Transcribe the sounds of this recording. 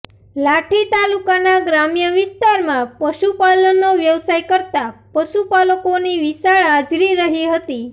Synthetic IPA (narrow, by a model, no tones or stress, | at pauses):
laʈʰit̪alukanaɡɾamjəʋist̪aɾmãpəʃupalənoʋjəʋsajkəɾt̪apəʃupaləkoniʋisaɭad͡ʒɾiɾəɦiɦət̪i